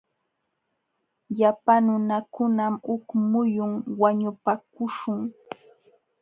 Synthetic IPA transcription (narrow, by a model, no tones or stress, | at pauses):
ʎapanʊnakʊnamʊkmʊjʊŋwaɲʊpakʊʃʊŋ